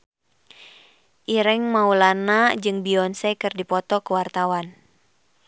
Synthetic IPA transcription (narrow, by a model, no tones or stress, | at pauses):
ʔiɾɛŋmaulanad͡ʒɨŋbiɔnsɛkɨrdipɔt̪ɔkəwart̪awan